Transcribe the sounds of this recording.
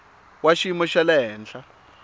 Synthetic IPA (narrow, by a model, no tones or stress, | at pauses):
waʃimɔʃalɛɦɛːnɬa